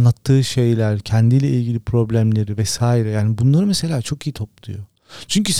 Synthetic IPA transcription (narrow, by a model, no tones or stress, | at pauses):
nːˠat̪ʰːɯːʃe̞jlʲæɾcʰɛnd̪ilʲɛʔilʲɟilʲipɾo̞blʲæmlʲe̞ɾivɛsaːiɾɛjaːnibunlˠaɾɯmese̞lʲaːt͡ʃʰo̞kijit̪ʰo̞p̚lˠujo | t͡ʃʰyɲcys